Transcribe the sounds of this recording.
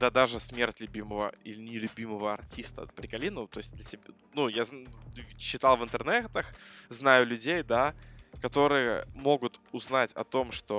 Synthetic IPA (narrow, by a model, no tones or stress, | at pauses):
d̪ad̪aʐɨsmʲe̞rtʲlʲʉbʲiməvə̰ilʲɪnʲɪlʲʉbʲiməvəɐrtʲist̪ə̰pɾʲɪkɐlʲinʊt̪o̞jɪsʲt̚ʲd̪lʲəsʲɪbʲ | nujaz | ɕːɪt̪ɑlˠvɨnt̪ɨrnɛt̪əxznajʊlʲʉdʲejd̪akɐt̪o̞ɾɨjə̰mo̞ɡʊt̪ʊznatʲɐ̰t̪o̞mʂt̪o̞